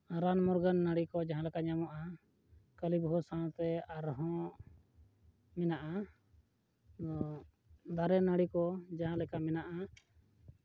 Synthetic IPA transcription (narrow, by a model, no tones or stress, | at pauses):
ɾanmɔɾɡənːaɽikɔd͡ʒaɦãlɛkaɲamɔʔa | kəlibɦɔsãt̪ɛaɾɦɔ̃ | mɛnaʔa | ɔ | d̪aɾɛnaɽikɔd͡ʒaɦãlɛkamɛnaʔa